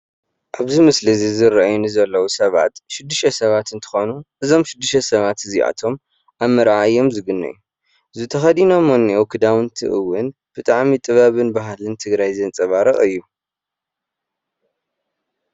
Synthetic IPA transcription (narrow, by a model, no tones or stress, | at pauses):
ʔaβzimɨslɨzizɨɾʔajunizɐlːɐwusɐβa̰t̪ʃɪd̪ːɨʃɐsɐβat̪ɨnt̪ʰɨ̥xonuʔɨzo̞mʃɪd̪ːɨʃt̪ɐsɐβat̪ɨziʔa̰t̪ʰo̞m | ʔaβmɐɾʕaɨjo̞mzɨɡɨnːɐ̰jːu | ʔɨzut̪ʰɐxɐd̪inomɐnːiʔokʰɨd̪awɨnt̪ʰɨ̰ʔɨwːɨn | b̥ɨt̪ʼaʕmit̪ʼɨβaβɨnbaɦlɨnt̪ʰɨɡɾajzɐnt͡sʼɐβaɾɐχʼɨjːu